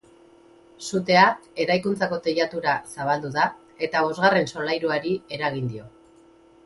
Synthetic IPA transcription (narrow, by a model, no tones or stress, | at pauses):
sut̪e̞ae̞ɾajkunt͡sako̞t̪eʎat̪uɾasaβald̪uða | e̞t̪aβ̞o̞zɣare̞nso̞lajɾuaɾie̞ɾaɣ̞ind̪io̞